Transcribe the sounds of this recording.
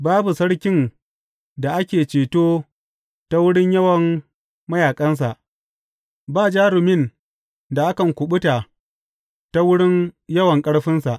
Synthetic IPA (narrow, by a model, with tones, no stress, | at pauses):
baː˦bu˨sɐ˦ɽkʲɪ˦n | da˨ʔa˦kʲeː˨t͡ʃeː˨toː˦ | ta˦wʊ˦ɽɪ˦ɲjɐ˦wɐ˨ŋ | mɐ˦jaː˨kʼɐ˦ns̬a˨ʔ | baː˦˨d͡ʒaː˦ɽʊ˨mɪ˦˨n | da˨ʔa˦kɐ˨ŋkʷʊ˨ɓʊ˦ta˨ | ta˦wʊ˦ɽɪ˦njɐ˦wɐ˨ŋkʼɐ˦ɽɸɪ˦nsa˨ʔ